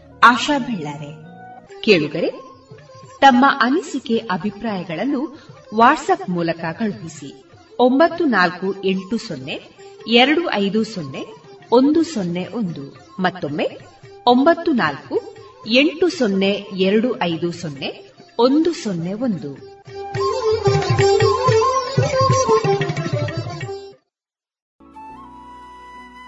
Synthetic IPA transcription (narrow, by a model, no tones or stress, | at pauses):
aːʃaːbʱɛɭːaːɾe̞keːɭuɡɐɾe | t̪ɐmːɐʔɐnisikeʔɐbʱipɾaːjɐɡɐɭɐnːu | ʋaːʈsɐpmuːlɐkɐɡɐɭupisi | ombɐt̪ːunaːlkue̞ɳʈusɔnːe̞ | ɛɾɐɽuʔɐjd̪usɔnːe̞o̞nd̪usonːe̞ʔond̪u | mɐt̪ːomːe | ombɐt̪ːunaːlkue̞ɳʈusɔnːeɛɾɐɽuʔɐjd̪usɔnːe̞ | ond̪usɔnːeond̪u